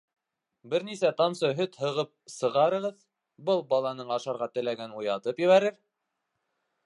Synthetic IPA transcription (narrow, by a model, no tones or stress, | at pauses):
bɘɾnisæt̪ɑmsɤɦɵt̪hɤ̆ʁɤp̚sɤ̆ʁɑɾɤ̆ʁɤð | bɤlˠbɑlˠɑnɤɴɑʃɑɾʁɑt̪ɘ̆læɡænujɑt̪ɤpjɘ̆βæɾɘɾ